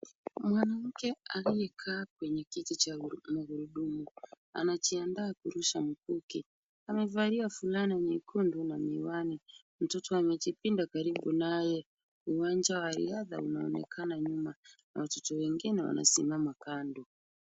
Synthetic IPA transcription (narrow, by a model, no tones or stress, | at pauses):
mwanam̩kɛalijɛkʰaːkwɛɲɛkitit͡ʃamuɣuɾuɗumu | a̰nat͡ʃiandaːkuɾuʃam̩kuki | amɛvaɾiafulanaɲikʰundunamiwani | m̩tɔtɔamɛt͡ʃipindakaɾiɓunajɛ | uwand͡ʒawaɾḭaða̰unaɔ̰nɛ̰kʰanaɲumana̰watɔtɔwɛŋɡinɛwa̰na̰simamakandu